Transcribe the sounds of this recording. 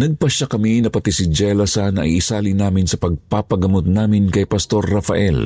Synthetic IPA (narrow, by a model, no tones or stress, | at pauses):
nɐɡ̚pɐʃakɐminɐpɐt̪isɪd͡ʒɛlɐsanɐ̰ʔḭʔːsaːlinaːmɪnsɐpɐɡ̚papɐɡɐmot̪̚naːmɪnkɐjpɐst̪o̞rːɐfɐʔɛl